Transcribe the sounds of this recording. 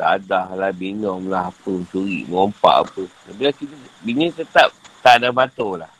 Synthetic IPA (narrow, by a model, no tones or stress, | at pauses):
t̪aadahlahbiɲɔmlaɦapunt͡ʃuɾḭʔməɔmpa̰ʔa̰pənabilakit̪abiɲit̪ət̪ap̚t̪adabat̪olah